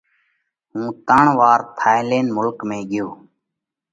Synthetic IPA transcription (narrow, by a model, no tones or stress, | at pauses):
ɦũːt̪əɳʋaːɾt̪ʰaːɪleːnmʊlkmẽːɠɪjoː